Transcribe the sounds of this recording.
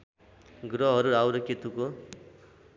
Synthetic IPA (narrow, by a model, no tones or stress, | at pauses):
ɡɾʌɦʌɾuawɾʌkit̪uko